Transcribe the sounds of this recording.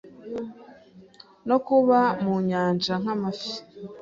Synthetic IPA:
no̞kuβamuɲaːnd͡ʒaŋ̥amafi̥

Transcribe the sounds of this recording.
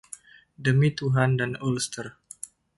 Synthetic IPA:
dəmit̪uɦandanolst̪ər

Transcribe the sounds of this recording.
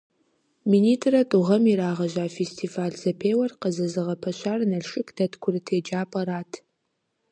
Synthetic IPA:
miniːtʰrɐtʼuʁɐmiɾaːʁɐʒʷaːfestʰiːvaːɮzɐpʰeːwɐrqəzɐzɨʁɐpʰɐɕʷaːrnɐɮʃɪkʰd̥ɐtʰkʷʰʊrɨtʰeːd͡ʒaːpʼɐɾaːtʰ

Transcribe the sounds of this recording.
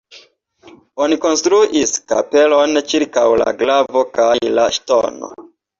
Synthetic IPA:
o̞niko̞nstɾuʔiska̰pe̞lo̞nt͡ʃiɾkawla̰ɡlavo̞kajlaʃto̞̰no̞̰

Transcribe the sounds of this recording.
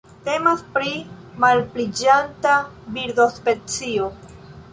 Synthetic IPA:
te̞maspɾimalplid͡ʒantabiɾd̪ospe̞t͡sio

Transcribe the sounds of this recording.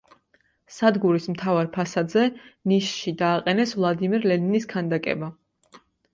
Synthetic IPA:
sad̪ɡuɾismt̪ʰavaɾpʰasad̪zɛniʃʃid̪aːqʼɛnɛsvlˠad̪imiɾlɛniniskʰand̪akʼɛ̰ba

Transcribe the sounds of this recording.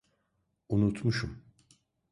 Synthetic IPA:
unut̪muʃum

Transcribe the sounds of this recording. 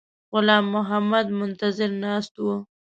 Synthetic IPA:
ɣʊlɑːmːʊɦamad̪mʊnt̪azɪɾnɑst̪wo

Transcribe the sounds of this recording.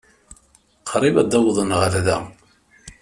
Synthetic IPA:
qʰɾˤivæd̪æwðˤənʁəlðæ

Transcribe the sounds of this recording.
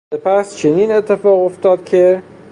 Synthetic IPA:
epæst͡ʃʰeniːne̞t̪ʰːefɒːɣo̞ft̪ɒːd̪̥kʰe

